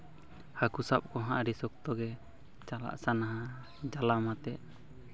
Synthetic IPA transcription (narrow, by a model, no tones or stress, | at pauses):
hakusap̚kɔɦãʔɾisɔk̚t̪ɔɡɛ | t͡ʃala̰ʔsanaɦa | d͡ʒalamat̪ɛʔ